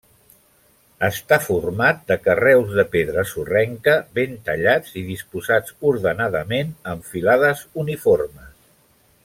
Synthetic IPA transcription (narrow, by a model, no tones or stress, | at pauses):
əst̪afurmat̪̚d̪əkərɛwzðəpeðɾəsurɛŋkəβent̪əʎad͡zið̞ispuzad͡zuɾðənaðəmenəɱfilaðəzuniforməs